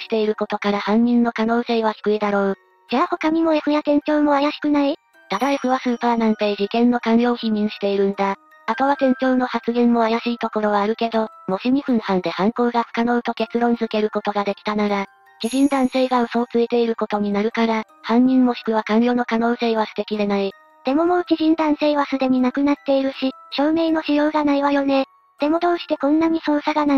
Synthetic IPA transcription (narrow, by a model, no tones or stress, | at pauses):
ɕi̥t̪e̞iɾɯ̟ko̞t̪o̞kaɾahãɲ̟ɲĩnːo̞kano̞ːse̞ːβ̞açʲi̥kɯ̟id̪aɾo̞ː | d͡ʑaːho̞kam̟ʲimo̞eɸɯ̟jak̪ẽ̞ɲ̟t͡ɕo̞ːmo̞ajaɕi̥kɯ̟nai | t̪ad̪aiɸɯ̟βasɨːpaːnãmpe̞ːʑikẽ̞nːo̞kãnɾʲo̞ːçiɲ̟ĩɰ̃ɕi̥t̪e̞iɾɯ̟̃nd̪a | at̪o̞βat̪ẽ̞ɲ̟t͡ɕo̞ːno̞hat͡sɨɡẽ̞mːo̞ajaɕiːt̪o̞ko̞ɾo̞βaːɾɯ̟ke̞d̪o̞mo̞ɕimʲiɸɯ̟̃ɰ̃hãnd̪e̞hãŋko̞ːɡaɸɯ̟̥kano̞ɯ̟t̪o̞ke̞t͡sɨɾõ̞nd͡zɨke̞ɾɯ̟ko̞t̪o̞ɡad̪e̞kʲi̥t̪anaɾa | kiʑĩnd̪ãɰ̃se̞ːɡaso̞ːt͡sɨit̪e̞iɾɯ̟ko̞t̪o̞ɲ̟inaɾɯ̟kaɾa | hãɲ̟ːĩmːo̞ɕi̥kɯ̟βakãnɾʲo̞ːno̞kano̞ːse̞ːβasɨ̥t̪ekʲid̪e̞nai | d̪̥e̞mo̞mo̞ːt͡ɕiʑĩnd̪ãɰ̃se̞ːβasɨd̪e̞ɲ̟inakɯ̟nat̪ːe̞iɾɯ̟ɕiɕo̞ːme̞ːno̞ɕijo̞ːɡanaiβajo̞ne̞ | d̪̥e̞mo̞t̪o̞ːɕi̥t̪e̞kõ̞nːaɲ̟iso̞ːsaɡana